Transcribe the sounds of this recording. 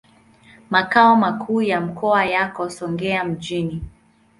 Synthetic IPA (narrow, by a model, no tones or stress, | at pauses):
makaɔmakʰuːjam̩kʰɔajakɔsɔŋɡɛam̩d͡ʒini